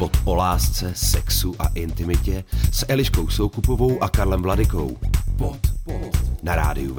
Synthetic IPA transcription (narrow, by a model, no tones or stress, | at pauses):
vot̪ʔo̞laːst͡sɛsɛksuʔa̰ʔɪnt̪ɪmɪcɛsʔɛlɪʃkowsowkupovo̞wʔakaɾlɛmvladɪko̞̰wpo | naɾa̰ːdɪuv